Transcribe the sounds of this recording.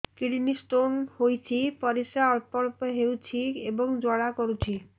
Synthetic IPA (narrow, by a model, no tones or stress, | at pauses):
kiɽinisʈonhojt͡ɕʰipɔɾisaɔɾpɔɾpɔɦewt͡ɕʰiebɔŋd͡ʒɔɽakoɾut͡ɕʰi